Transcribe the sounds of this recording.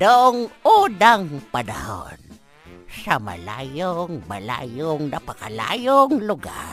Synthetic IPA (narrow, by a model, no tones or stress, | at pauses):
nʊʔʊŋudaŋpadaho̰n | sama̰la̰joŋmala̰joŋnapakala̰joŋlʊɡa̰r